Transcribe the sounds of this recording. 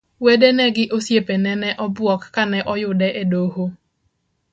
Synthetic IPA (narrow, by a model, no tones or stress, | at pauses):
wedenɛɡɪʔosjepenɛnɛʔɔbʊɔkkanɛʔɔjʊdɛʔedoho